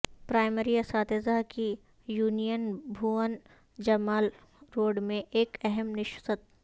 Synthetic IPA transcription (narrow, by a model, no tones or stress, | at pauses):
pɾaːɪmeɾiɐsaːt̪ezaɦki | juːnijənbʱuːən | d͡ʒɐmaːl | ɾoːɖmẽʔeːkɛɦɛmnɪʃsət̪̚